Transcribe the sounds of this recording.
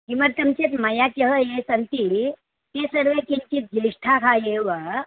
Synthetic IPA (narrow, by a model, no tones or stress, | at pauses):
kimɐɾt̪ɐmt͡ʃet̪mɐjat͡ʃɐɦəjesɐnt̪i | t̪esəɾʋekint͡ʃit̪̚d͡ʒiʂʈʰakʰajeʋa